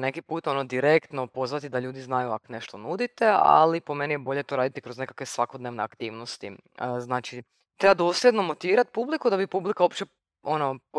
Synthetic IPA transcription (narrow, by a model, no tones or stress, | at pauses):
nekipuːt̪o̞nod̪iɾekt̪no̞po̞zʋat̪id̪aʎuːd̪iznajuakone̞ʃt̪onud̪it̪ea̰lipome̞nijebo̞ʎe̞t̪o̞ɾaːd̪it̪ikɾo̞znekakʋesʋakod̪neʋneakt̪iːʋno̞st̪i | znaːt͡ʃi | t̪ɾebad̪o̞ːslʲjed̪no̞mo̞t̪iʋiːɾat̪ipublikud̪abipublikao̞pt͡ʃe | o̞no̞p